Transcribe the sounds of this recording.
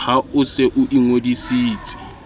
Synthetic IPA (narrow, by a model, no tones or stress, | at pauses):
haʊseʔʊʔiŋwodisiːt͡sʼɪ̥